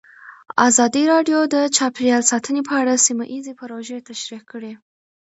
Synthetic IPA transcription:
a̰zɑd̪iɾɑɖjod̪ət͡ʃɑpeɾjɑlsɑt̪ənepʰəaɽasimaʔizepəɾoʒet̪aʃɾikəɽe

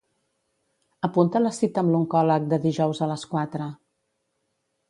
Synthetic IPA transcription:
əpunt̪ələsit̪əːmluŋkɔlək̚d̪əðiʒɔwzələskwat̪ɾə

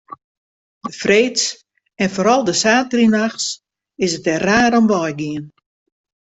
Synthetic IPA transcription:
dəfreːts | ɛnfoːɾɔlˠdəsaːtrinaxs | ɪsətɛraːɾɔmʋɔjɡiən

